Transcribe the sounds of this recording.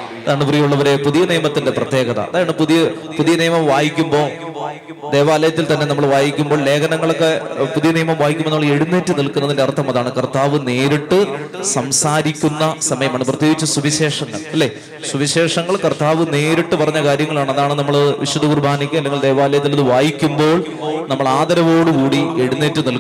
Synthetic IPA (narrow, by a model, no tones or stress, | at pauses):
ɐðaːɳɨprijuɭːɐʋɐɾepuðijɐnijɐmɐt̪ːinde̞prɐt̪je̞ːɡɐðɐ̰ɐ̰ðaːjɐɳɖɨpuðijɐ | puðijɐnijːmɐmʋaːjikʲːumbo̞ː | d̪e̞ːʋaːlɐjɐt̪ːilt̪ɐnːe̞nɐmːɐɭʋaːjikʲːumbo̞ːle̞ːkɐnɐŋːɐɭokːepuðijɐnijɐmɐmʋaːjikʲːumːonoːɭe̞ɽunːeːtːɨnilkːunːɐðindeɐrt̪ʰːɐmɐðaːɳɨkɐrt̪ːaːʋɨne̞ːɾiʈːɨsɐmsaːɾikʲːunːɐsɐmɐjɐmɐɳːprɐt̪ːjoːɡit͡ɕːɐsuʋiɕeːʂɐŋːɐɭɐlːeː | suʋiɕe̞ːʂɐŋːɐɭkɐrt̪ːaːʋɨne̞ːɾiʈːɨpɐrɐɲːɐkaːɾjɐŋːɐɭaːɳɨɐðaːɳɨnɐmːɐɭʋiɕud̪ɐurbʱaːnɐkʲːɨɐlːe̞ŋɡild̪e̞ːʋaːlɐjɐt̪ːilɐðɨʋaːjikʲːumbo̞ːɭ | nɐmːɐɭaːd̪ɐɾɐʋo̞ːɽɨkuːɽie̞ɽunːeːtːɨnilk